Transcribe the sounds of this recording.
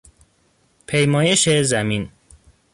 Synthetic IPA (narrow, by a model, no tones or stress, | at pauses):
pʰejmɒːjeʃezæmin